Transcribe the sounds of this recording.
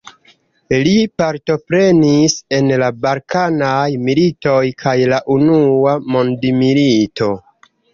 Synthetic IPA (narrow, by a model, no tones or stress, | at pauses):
lipaɾto̞pɾe̞nise̞nlabalkanajmilito̞jkʰajlaʔunuamo̞ndimilito̞